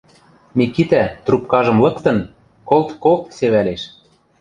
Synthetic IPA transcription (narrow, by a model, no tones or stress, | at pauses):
mikit̪æt̪rupkɑʒɤ̆mlɤ̆kt̪ɤ̆n | kolt̪kolt̪seβæleʃ